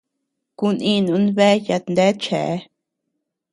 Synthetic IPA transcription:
ku˧nĩ˦˧nũ˨˧˦nβe˦ja˧nd̪e˦t͡ʃḛ˨ʔe˦

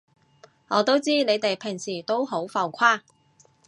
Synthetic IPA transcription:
ŋɔː˨˧˥t̪o˥wt͡siː˥ne˨˧jt̪e˨jpʰɪ˨˩ŋsiː˨˩t̪o˥wɦo˨˥wfɐ˨˧wkʷʰaː˥

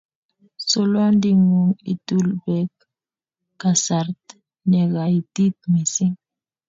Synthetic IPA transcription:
so˦lɔ˦ndi˦ŋu˨ŋḭ˨tu˦lbɛ˨k | ka˨sa˨rt | nɛ˨ɣa˨i˨ti˦t̪̚mi˨si˦ŋ

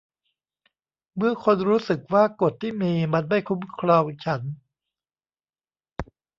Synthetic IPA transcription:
mɯ˥˩ɐkʰo˧nɾuː˦˥sɯ˨˩k̚waː˥˩ko˨˩t̪ʰːiː˥˩miː˧ma˧nma˥˩jkʰu˦˥mkʰɾɔ˧ŋt͡ɕʰa˦˥n

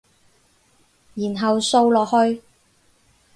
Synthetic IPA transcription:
jiː˨˩nɦɐ˨wso˧wlɔː˨k̚hɵ˧ɥ

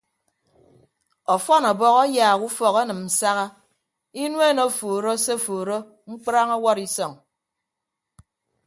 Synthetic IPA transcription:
ɔ˨fɔ˦nɔ˨bɔ˦ɣɔ˦jaː˨ɣu˦fɔ˨ɣa˦nɨ˨m̩˨sa˦ɣa˦ | i˦nwe˦no˦˨foː˨ɾo˦se˦˨foː˨ɾo˦ | ŋ͡m̩˦k͡pɾa˦ŋɔ˦wɔ˦ɾi˦sɔ˨ŋ

